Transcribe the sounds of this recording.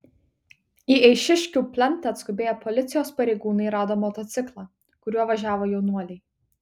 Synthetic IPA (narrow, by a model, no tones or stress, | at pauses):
iɛɪʃʲɪʃʲkʲuːpʲlʲɛnʲˑt̪ɑɐt̪skʊbʲeːjɛpʰɔlʲɪt̪sʲɪjoːspɐɾʲɛɪɡuːnɐɪɾɑːd̪oːmɔːt̪ɔt̪sʲɪklˠɑ | kʊɾʲuɔʋɐʒʲæːʋoːjɛʊnuɔlʲɛɪ